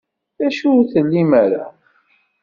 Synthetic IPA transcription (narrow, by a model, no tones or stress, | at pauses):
ðæʃuθəlːimaɾa̰